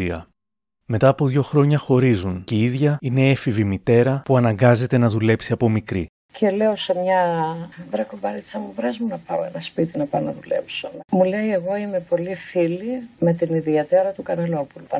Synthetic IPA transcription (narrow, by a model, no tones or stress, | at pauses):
iɐ̰ | me̞t̪ɐːpo̞ðʝo̞xɾo̞ɲɐxo̞ɾizunceiðʝɐine̞efivimit̪e̞ɾɐpuɐnɐŋɡɐze̞t̪e̞nɐðule̞psiɐpo̞mikɾḭ | cʰe̞le̞osemɲɐvɾekobɐɾit͡sɐmuvɾezmunɐpɐoenɐspit̪inɐpɐnɐðulḛpsonmulejeɣo̞ime̞po̞lifilime̞t̪iniðiet̪e̞ɾɐt̪ukɐnɐlo̞pulu